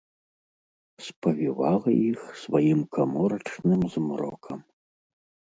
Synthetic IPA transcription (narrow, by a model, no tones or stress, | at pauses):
spɐvʲivalˠɐixsvajimkʰamɔɾɐt͡ʂnɨmzmɾɔ̰kʰɐm